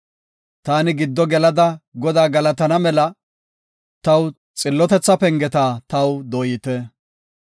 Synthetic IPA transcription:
t̪aːnɪɡɪd̪ːɔɡɛlɐd̪ɐɡɔd̪aːɡɐlɐt̪ɐnɐmɛlɐ | t̪ɐw | t͡sʼɪlːɔt̪ɛt͡sːɐpɛŋɡɛt̪aːt̪ɐwd̪ɔjɪt̪ɛ

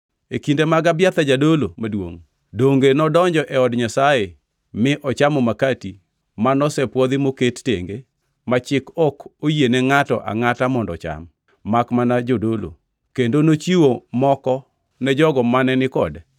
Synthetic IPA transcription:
ekindemaɡabjat̪ad͡ʒadolomadwo̰ŋ | doŋɡenɔdɔɲd͡ʒɔʔɛɔdɲasaje | mɪʔɔt͡ʃamɔmakati | manɔsɛpwɔd̪ɪmoketteŋɡe | mat͡ʃɪkɔkojenɛŋatɔ̰ʔa̰ŋatamɔndɔt͡ʃa̰mː | akmanad͡ʒodolo̰ | kendonot͡ʃiwomɔkɔ | nɛd͡ʒɔɡɔmanɛnɪkɔ̰dɛ

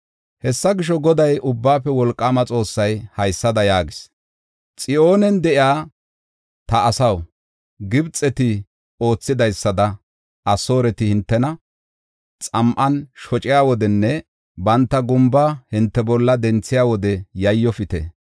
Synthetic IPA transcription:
hɛsːɐɡɪʃ̬ɔɡɔd̪ɐjʊbːaːpːɛwɔlkʼːaːmɐt͡sʼo̞ːsːɐjhɐjsːɐd̪ɐjaːɡɪs | t͡sʼɪʔo̞ːnɛnd̪ɛʔɪaː | t̪ɐɐsɐw | ɡɪbt͡sʼːɛt̪ɪ | o̞ːt͡sːɪd̪ɐjsːɐd̪ɐ | ʔɐso̞ːɾɛt̪ɪhɪnt̪ːɛnɐ | t͡sʼɐmʔɐnʃɔt͡ʃʼɪjaːwɔd̪ɛnːɛ | bɐnt̪ːɐɡʊmbahɪnt̪ːɛbɔlːɐd̪ɛnt͡sːɪjaːwɔd̪ɛjɐjːɔfɪt̪ɛ̰

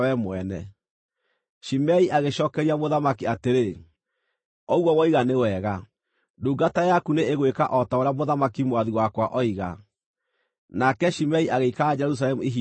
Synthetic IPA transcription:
wɛmwɛnɛ | ʃimɛiʔaɣeɕɔːkɛɾiamoðamakiateɾe | ɔɣɔwɔiɣanewɛːɣa | duːɡatajakuneeɣwekaʔɔtaoɾeamoðamakimwaðiwakwaʔɔiɣa | nakɛʃimɛiʔaɣeikaad͡ʒɛɾus̬alɛmuiɦi

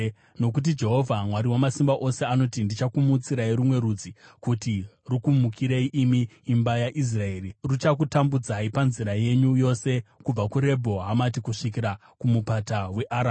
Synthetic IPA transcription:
no̞k̬ut̬id͡ʒe̞ɦo̞vʱamwaɾiwomasimbaʔo̞se̞ano̞tindit͡ʃakumut͡siɾaiɾumwe̞ɾud͡zikuti | rukumukʰiɾeiʔimiːmbajaʔis̬rae̞ːrirut͡ʃak̬utambud͡zaipanziɾaje̞ɲujo̞se̞kub͡vakuɾe̞bʱo̞ɦamat̬ikuʂikiɾa | kumupatawe̞ʔaɾa

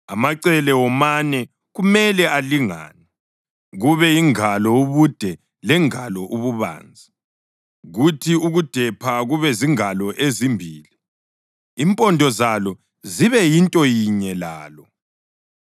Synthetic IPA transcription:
amaǀɛlɛwɔmanɛ | ɣumɛlɛaliŋa̰ːnɛ | ɣuβɛjiŋalɔuβud̥ʱɛ | lɛŋalɔʔuβuβa̰ːnd͡zʱi | ɣutʰiuɣud̥ʱɛpʰaɣuβɛziŋalɔʔezimbʱiːli | impʼɔndʱɔzalɔ | ziβɛjintʼɔjiɲɛlaːlɔ

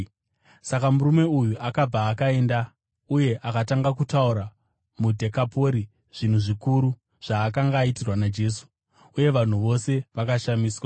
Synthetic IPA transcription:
sakamuɾume̞ujuʔakab͡vaːkae̞nda | uje̞ʔakataŋɡakutauɾa | mudʱe̞kapo̞ɾi | ʐ̥in̤uʐikuɾu | ʐ̥aːkaŋɡaːitirwanad͡ʒe̞ːsu̥ | uje̞ʋan̤uʋo̞se̞ʋakaʃamiːswa

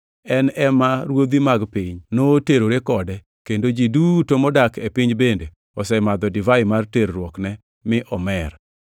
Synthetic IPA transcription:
ɛnɛmaɾwod̪imaɡpiɲnoteɾoɾekɔdɛ | kendod͡ʒidutomɔdakepɪɲbende | ɔsɛmad̪ɔdɪvaɪmarteɾɾwɔknɛ | mɪʔɔmɛr

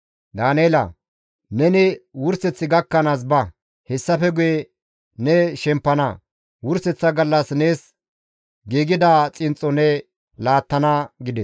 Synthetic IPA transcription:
d̪aːnejlɐ̰ | nɛnɪwʊɾsɛt͡sːɪɡɐkːɐnaːs̬bɐ | hɛsːɐfɛɡʊjɛ | nɛʃɛmpːɐnɐ̰ | wʊɾsɛt͡sːɐɡɐlːɐsneːs | ɡiːɡɪd̪aːt͡sʼɪnt͡sʼːɔnɛ | laːt̪ːɐnɐɡɪd̪ɛs

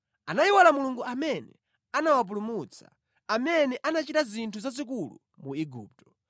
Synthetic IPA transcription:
anajiwalamuluŋɡuʔamɛnɛ̰ | anawap̬ulumut͡sa̰ | amɛnɛʔanat͡ʃitazintʰuzazik̬ulṵ | muiɡṵːp̚tɔ̥

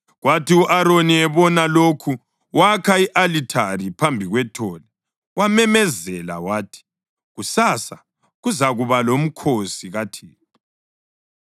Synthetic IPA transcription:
ɣwatiuʔaɾoniɛβɔnalokʰu | wakʰaiʔalitʰaripʰambʱiɣwɛtʰɔːlɛ | wamɛmɛzɛla̰waːtʰi̥ | ɣusaːsa | ɣuzaɣuβalom̩kʰosiɣatʰiːni

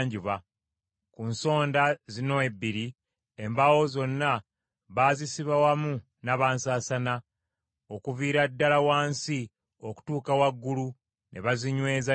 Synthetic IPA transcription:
ɲɟiβa | kunso̞ːndazino̞ebːiɾi | embawo̞zo̞nːa | βaːzisiβawamu | naβaːnsaːsana | o̞kuviːɾadːalawaːnsi | oku̥tuːkawaɡːulu | nʔe̞̰βaziɲwe̞ːza

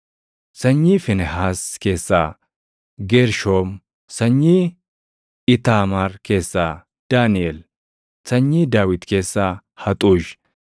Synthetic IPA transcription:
sɐɲːiːfɪnɛhaːske̞ːsːaː | ɡeːɾʃoːm | sɐɲːiː | ɪt̪aːmaɾke̞ːsːaː | d̪̥aːnɪel | sɐɲːiːd̪aːwɪt̪ke̞ːsːaː | hɐt̪ʼuːʃ

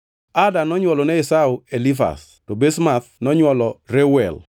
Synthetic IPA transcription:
adanɔɲwɔlɔnɛɪsauelifa̰s | tobesmaθnɔɲwɔlɔrewɛl

